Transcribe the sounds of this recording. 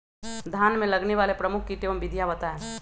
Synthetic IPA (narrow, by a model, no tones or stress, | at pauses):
d̪ʱjaːnmẽlɐɡneʋaːlepɾɐmʊkʰkiʈeːmbɪd̪ʱjabət̪aɛ